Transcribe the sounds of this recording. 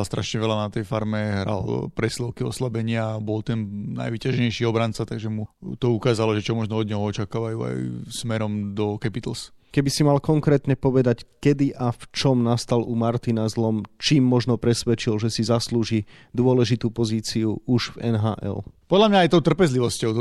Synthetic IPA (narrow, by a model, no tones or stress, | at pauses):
lst̪ɾʔaʃɲɛʋɛlanat̪ɛjfaɾmɛɦɾa̰lpɾɛslɛʊkiɔ̰slabɛɲɪabɔlt̪ɛnna̰jʋiːcaʒɲɛjʃiɔbɾant͡sat̪aɡʒɛmut̪ɔukaːzalɔʒɛt͡ʃɔmɔʒnɔɔd̪ɲɛɦɔɔt͡ʃakaːʋajṵːa̰jsmɛɾɔmd̪ɔkɛpit̪l̩s | kɛbisimalkɔŋkɾɛːt̪ɲɛpɔʋɛd̪ackɛd̪iʔaft͡ʃɔmnast̪alumaɾt̪inazlɔmt͡ʃiːmːɔʒnɔpɾɛsʋɛt͡ʃilʒɛsizasluːʒi | d̪ʊɔlɛʒit̪uːpɔziːt͡siuuʒvɛ̰nɦa̰ːʔɛ̰lpɔd̪lamɲaːjt̪ɔʊt̪r̩pɛzliʋɔscɔʊt̪